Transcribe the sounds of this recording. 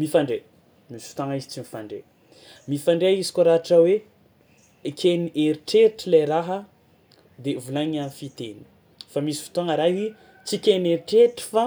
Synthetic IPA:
mifaɳɖ͡ʐe | misi̥fit̪aŋaizit͡simifaɳɖ͡ʐḛ | mifaɳɖ͡ʐeizi̥kʲoɾaʈ͡ʂəwe | kʰʲeniʔeɾiʈ͡ʂeɾʈ͡ʂileɾaɦə | d̪evulaɲanfit̪eni̥ | famisi̥fi̥t̪oŋəɾaɦi | t͡sikʲeneɾiʈ͡ʂeʈ͡ʂi̥fa

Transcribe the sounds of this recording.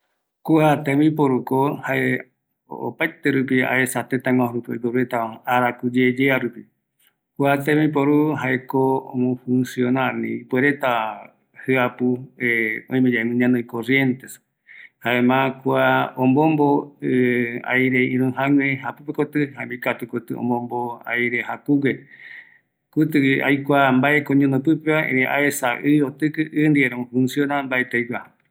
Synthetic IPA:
kuat̪emĩpoɾukohae | o̰pajt̪e̞ɾupia̰esat̪et̪aŋãɾupio̰jkoɾuet̪aaɾakud͡ʒed͡ʒeaɾupi | kuat̪ẽmĩp̬oɾuɦaekoo̰mõfũnsjonanḭ̃ːpweɾe̞t̪a | hɨapueõĩmẽd͡ʒaemɨ̃ɲãnõĩkorje̞nt̪es | haemãkuaõmbõmboɨa̰jɾeĩɾũɦãŋwẽɦapɨpekot̪ɨɦamikat̪ukot̪ɨ̰õ̰mbõmboa̰jɾehakuwe | kut̪̬ɨa̰jkʷambaekoɲõnopɨpeaḛ̃ɾẽʔa̰esaʔɨjot̪ɨkɨʔɨnd̪ieɾomõfũnsjonambaet̪ejwʷa

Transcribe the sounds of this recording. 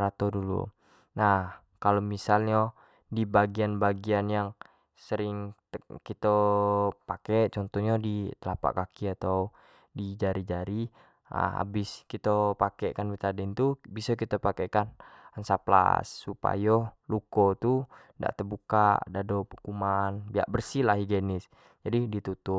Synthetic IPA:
ɾat̪odulṵ | nah | kalomisalɲɔ | dibaɡianbaɡianjaŋ | səɾɪŋ | kit̪opakɛʔt͡ʃɔnt̪ɔɲadit̪əlapa̰ʔkakiat̪aw | did͡ʒaɾid͡ʒaɾḭ | a̰bɪskit̪opakɛʔkanbit̪adɛnt̪ubisɔkit̪opakɛkanansapla̰sːupa̰jolukot̪unda̰ʔt̪ərbukaʔdadopukumanbia̰ʔbərsilaɦiɡenɪs | d͡ʒadidit̪ut̪ʊp̚

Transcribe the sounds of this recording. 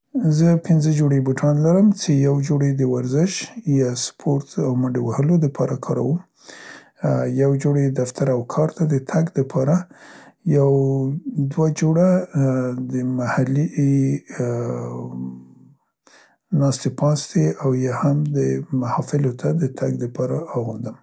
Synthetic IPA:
zəpɪnzəd͡ʒoɽebuʈʰɑnlaɾəmt͡sejawd͡ʒoɽed̪əwaɾzɪʃjaspʰoɾt̪awmaɳɖewahəlod̪əpʰɑɾakʰɑɾa̰wəm | jawd͡ʒoɽed̪aft̪aɾawkʰɑɾt̪ad̪ət̪ʰaɡd̪əpʰɑɾajawd̪wad͡ʒoɽa | d̪əmahali | nɑst̪epɑst̪eawjahamd̪əmahɑfɪlot̪ʰad̪ət̪ʰaɡd̪əpʰɑɾaːɣund̪əm

